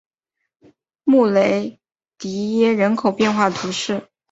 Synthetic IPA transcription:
mu˥˩le˧˥ɪ | t̪i˧˥jɛ˥ɻə˧˥nkʰo˨˩ʊpjɛ˥˧nxwa˥˩t̪ʰu˧˥ʂɻ̩˥˩

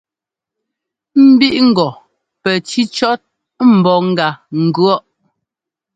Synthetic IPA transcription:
m̩˦bi˦ʔŋ̩˦˨ɡɔ˨ | pɛ˨ti˦t͡ʃɔ˦t̚ | m̩˨bɔ˨ŋ̩˦ɡa˨ŋ̩˨ɡɰɔ˦ʔ

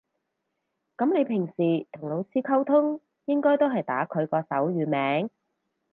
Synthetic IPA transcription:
kɐ˨˥mne˨˧jpʰɪ˨˩ŋsiː˨˩t̪ʰʊ˨˩ŋlo˨˧wt͡sʰiː˧˥kʰɐ˥wt̪ʰʊ˥ŋ | jɪ˥ŋkɔː˥jt̪o˥wɦɐ˨jt̪a̰ː˨˥kʰɵ˨˧ɥkɔː˧sɐ˨˥wjyː˨˧mɛː˨˥ŋ

